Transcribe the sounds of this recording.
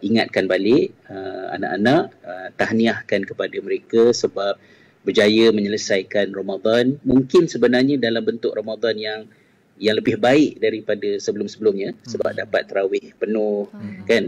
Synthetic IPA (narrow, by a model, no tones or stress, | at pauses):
iŋat̪̚kanbalɪʔəa̰na̰ʔanaʔəmt̪ahniahkankəpadaməɾekasəbap̚ | bərd͡ʒajəməɲələsajkanramad̪anmuŋkɪnsəbənarɲədalambənt̪ʊk̚romad̪anjaŋ | jaŋləbɪhbaɪʔdaɾipadasəbəlʊmsəbəlʊmɲasəba̰p̚dapa̰t̪ːəɾawɪhpənʊhkan